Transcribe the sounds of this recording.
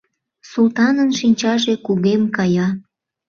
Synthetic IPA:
sult̪ɑnənʃinʲt͡ɕɑʒekuɣemkɑjɑ

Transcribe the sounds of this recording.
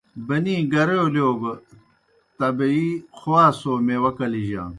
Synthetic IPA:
bɐnĩːɡɐɾeoljoːɡ | t̪ɐbɐixowaːsoːmewɐkɐliʑã̰ː

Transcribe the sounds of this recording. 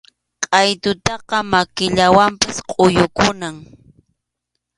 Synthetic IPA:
qʼɑjt̪ʊt̪ɑqɑmakɪʎawampasqʼʊjʊkʊnaŋ

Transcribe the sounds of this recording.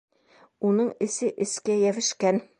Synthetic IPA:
unɤɴɘ̆sɘʔɘ̆skæjævɘ̆ʃkæn

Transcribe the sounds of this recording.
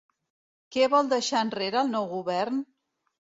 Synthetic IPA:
kɛβɔlˠd̪əʃaənreɾəːlˠnɔwɣuβɛrn

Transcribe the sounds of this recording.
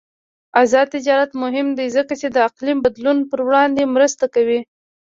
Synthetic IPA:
azɑd̪̚t̪ɪd͡ʒɑɾat̪mʊɦɪmd̪ezəkat͡ʃed̪əaqlimbad̪lunpəɾwɽɑnd̪emɾəst̪akawi

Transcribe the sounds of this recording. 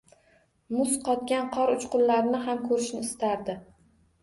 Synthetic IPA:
mʊsqʰɒt̪̚ɡʲanqʰɒɾʊt͡ʃqʊllaɾnɪɦamkʰɵɾɪʃnɪɪst̪aɾd̪ɪ

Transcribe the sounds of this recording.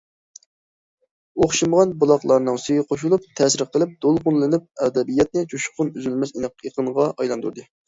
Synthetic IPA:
oχʃimʁɑnbolˠɑqlˠɑɾnɨŋsyjiqʰoʃ̬ulˠup̚t̪ʰɛsɪɾqʰəlˠɪp̚d̪̥olˠqʊnlˠɨnɪp̚ɛd̪ɛbijɛt̪̚nɪt͡ʃʰuʃqʊnyzylmɛsinqeqʰənʁɑʔɑjlˠɑnd̪uɾd̪ɨ

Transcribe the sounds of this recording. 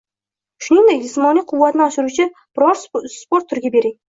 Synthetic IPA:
ʃʊnɪŋd̪ek̚ʲd͡ʒɪsmɒnijqʰʊvːat̪nɪɒʃɪɾut͡ʃʰɪb̥ɪɾɒɾspoɾt̪ʰːʊɾɡʲabe̞ɾɪŋ

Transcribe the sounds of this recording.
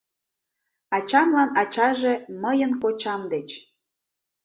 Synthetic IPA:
ɑt͡ɕɑmlɑnɑt͡ɕɑʒeməjənkot͡ɕɑmd̪et͡ɕ

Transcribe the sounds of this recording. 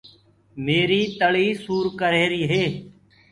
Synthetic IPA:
meːɾiːt̪əɭiːsuːɾkəɾeːɾiːɦeː

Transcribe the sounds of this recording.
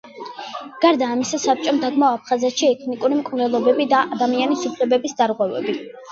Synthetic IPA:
ɡ̥aɾd̪aːmisasap̚t͡ʃʼɔmd̪aɡmaɔap̚ʰχazɛt̪ʃiɛt̪ʰnikʼuɾimkʼvnɛlˠɔbɛbid̪aad̪amianisupʰlɛbɛbisd̪aɾʁwɛvɛ̰bi

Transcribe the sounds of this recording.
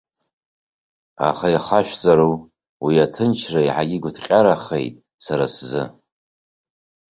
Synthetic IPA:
a̰χajχaʃʷᶣt͡sʼaɾu | wiatʰɨnt͡ʃʰrajħaɡʲɪɡʷʊtʰqʲʼaɾaχḛjtʼ | saɾaszɨ

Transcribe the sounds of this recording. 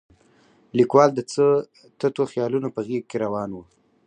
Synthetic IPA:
likwɑld̪ət͡sə | t̪ət̪oxjɑlunopəɣiɡ̚keɾawɑnwu

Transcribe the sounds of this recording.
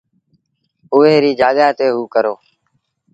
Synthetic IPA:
ʊːeːɾiːd͡ʒaːɠaːt̪eːɦuːkəɾoː

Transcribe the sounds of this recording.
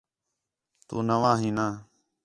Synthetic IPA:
t̪ṵːnəʋãːɦĩːnaː

